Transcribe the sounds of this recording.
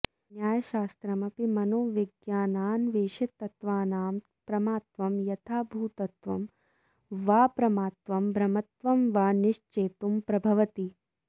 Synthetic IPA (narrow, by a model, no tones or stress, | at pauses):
njaːjɐʃaːst̪ɾɐmɐpimɐnoːʋiɡjaːnaːnʋeːʃɐt̪ːɐt̪ʋaːnaːm | pɾɐmaːt̪ʋɐmjɐt̪ʰaːbʱuːt̪ɐt̪ʋɐ̰m | ʋaːpɾɐmaːt̪ʋɐmbʱɾɐmɐt̪ʋɐmʋaːniʃt͡ʃeːt̪umpɾɐbʱɐʋɐt̪i